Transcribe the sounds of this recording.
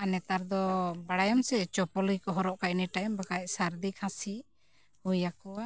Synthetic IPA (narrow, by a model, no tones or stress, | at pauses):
anɛt̪aɾd̪ɔbaɽajɔmsɛt͡ʃɔpɔlikɔɦɔɾɔʔkacnɛʈajɛmbakajsaɾd̪ikʰãsi | hujakɔa